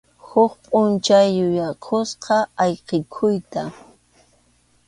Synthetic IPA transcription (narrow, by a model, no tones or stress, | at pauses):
hʊχpʼʊnt͡ʃajːʊjaqʰosqɑɑjqekʰʊjt̪a